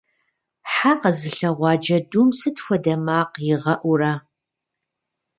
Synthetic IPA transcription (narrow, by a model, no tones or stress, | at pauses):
ħaːqɐzɨɬɐʁʷɑːd͡ʒɐdumsɨtfʷɔdɐmaːqjɪʁɐʔʷʊraː